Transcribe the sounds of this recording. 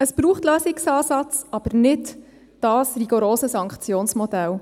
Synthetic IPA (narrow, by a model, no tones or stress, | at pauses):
əsb̥ɾuːχtløːsɪksɑːsɑt͡sɑb̥əɾnɪd | d̥ɑːsɾiɡoɾoːsəsɑŋkχt͡sjoːnsmɔdɛl